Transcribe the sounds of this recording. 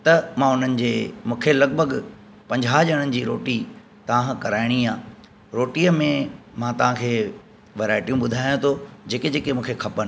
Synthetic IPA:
t̪ɐmãʊn̤ənɪ̆d͡ʑeːmũːkʰelɐɡ̚bʱəɠ | pɐ̃ɲd͡ʑʱaːɦd͡ʑɐɽ̃ənɪ̆d͡ʑiːɾoːʈi | t̪ɐʋ̤ãɦkɐɾaːɪɽ̃iãː | ɾoːʈiːəmẽ | mãt̪ɐʋ̤ãkʰeː | ʋeːɾaːɪʈijũɓʊd̪ʱaːjõt̪ʰod͡ʑeːked͡ʑeːkemũːkʰexɐpən

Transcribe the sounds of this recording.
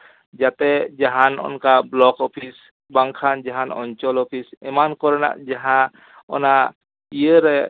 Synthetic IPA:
d͡ʒat̪ɛd͡ʒaɦanɔ̰nkablɔkɔpʰis | baŋkʰand͡ʒaɦanɔ̰ɲt͡ʃɔlɔpisɛmankɔɾɛna̰ʔd͡ʒaɦa | ɔ̰na | ijəɾɛ

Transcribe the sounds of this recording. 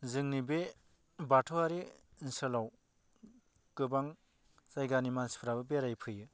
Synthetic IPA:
zɯŋnibe | batʰɯwaɾinsɯlaw | kɯbaŋ | zajɡanimanspʰɾabɯbeɾajpʰɯjɯ

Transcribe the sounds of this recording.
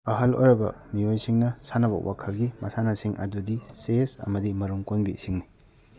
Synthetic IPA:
ɐɦɐlo̰jɾɐbɐ̰miojsiŋnɐsanɐbɐ̰wʔakʰɐlɡimɐ̰sanɐsiŋʔɐ̰dudisesɐ̰mɐdimɐɾuŋkonbḭsiŋni

